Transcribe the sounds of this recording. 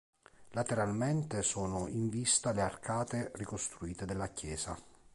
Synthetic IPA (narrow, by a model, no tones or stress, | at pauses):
lat̪eɾalment̪esɔːnoiɱvist̪alearkʰaːt̪erikost̪ɾuiːt̪ed̪elːakjɛːza